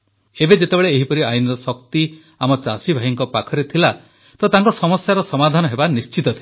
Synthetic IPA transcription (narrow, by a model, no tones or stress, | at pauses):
ebed͡ʒet̪ebeɭeːɦipɔɾiajunɾɔsɔkt̪i | amɔt͡ʃasibʱaɦiŋkɔpakʰɔɾet̪ʰila | t̪ɔt̪aŋkɔsɔmɔsjaɾɔsɔmad̪ʱanɔɦebanist͡ʃit̪ɔt̪ʰi